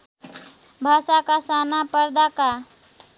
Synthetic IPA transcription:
bʱaːʃakasaːnapəɾd̪aka

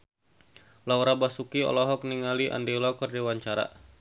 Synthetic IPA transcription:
lauɾabasukiɔ̰lɔɦɔk̚niŋaliʔa̰ndilɔkərdiwaɲt͡ʃaɾa̰

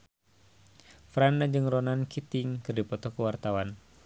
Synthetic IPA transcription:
fɾandad͡ʒɨŋrɔnankʰit̪ɪŋkɨrdipɔt̪ɔkuwart̪awan

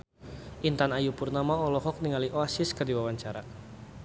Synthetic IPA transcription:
ʔint̪anajupʊrnamaɔlɔɦɔk̚niŋaliʔoasɪskərdiwawaɲt͡ʃaɾa

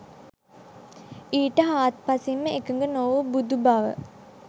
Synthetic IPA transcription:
iːʈəɦaːt̪̚pasimːəekəŋɡənoʋubud̪ubaʋə̰

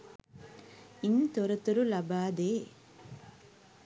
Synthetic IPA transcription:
int̪ɔɾɐt̪uɾulɐbaːd̪eː

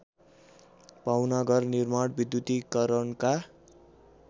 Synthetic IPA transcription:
pawnʌɡʌrnirmaɽbid̪jut̪ikʌɾʌɳka

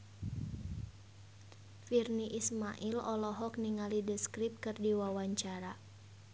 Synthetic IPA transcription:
firniʔismaʔilɔlɔɦɔkniŋalidəskɾip̚kɨrdiwawaɲt͡ʃaɾa

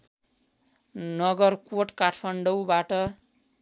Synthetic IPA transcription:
nʌɡʌrkoʈkaʈʰpʰʌɳɖʌwbaʈʌ

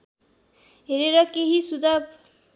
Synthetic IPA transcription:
ɦeɾeɾʌkeɦisud͡zʱab

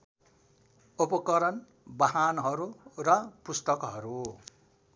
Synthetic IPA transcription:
upʌkʌɾʌn | baɦanɦʌɾurʌpust̪ʌkɦʌɾu

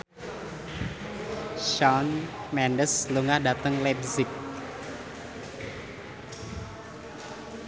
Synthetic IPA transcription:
ʃɔnmɛndəsluŋahdat̪əŋlɛp̚zɪk̚

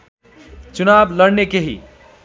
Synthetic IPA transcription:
t͡ʃunabləɽnekeɦḭ

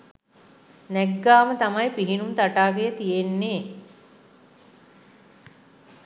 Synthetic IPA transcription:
nɛɡːaːmət̪amajpiɦinunt̪aʈaːɡejət̪ijenːeː

